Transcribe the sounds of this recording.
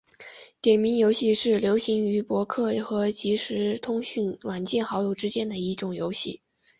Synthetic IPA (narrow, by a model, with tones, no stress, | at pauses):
t̪jɛ˨˩nmi˧˥njo˧˥ʊɕi˥˧ʂɻ̩˥˩ljo˧˥ʊɕi˧˥ŋy˧˥pwɔ˧˥kʰɤ˥˩xɤ˧˥t͡ɕi˧˥ʂɻ̩˧˥t̪ʰʊ˥ŋɕy˥˩nwa˨˩nt͡ɕjɛ˥˩nxɑ˧˥ʊjo˨˩ʊʈ͡ʂɻ̩˥t͡ɕjɛ˥nd̪ə˨i˥˩ʈ͡ʂʊ˨˩ŋjo˧˥ʊɕḭ˥˩